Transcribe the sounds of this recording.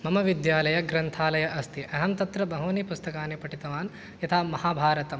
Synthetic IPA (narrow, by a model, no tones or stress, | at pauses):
mɐmɐʋid̪jaːlɐjɐɡɾɐnt̪ʰaːlɐjɐʔɐst̪ʰiʔɐɦɐmt̪ɐt̪ɾɐbɐɦɐːnipust̪ɐkaːnepɐʈit̪ɐʋaːn | jɐt̪ʰaːmɐhaːbʱaːɾɐt̪ɐm